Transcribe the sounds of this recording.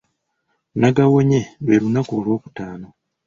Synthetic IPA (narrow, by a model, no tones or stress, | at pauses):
naɡawoɲeβelunakoːlwo̞ːku̥taːno